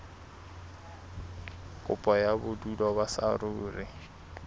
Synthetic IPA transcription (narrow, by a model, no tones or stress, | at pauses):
kʼʊpʼɔjabʊdulɔbasaruːrɪ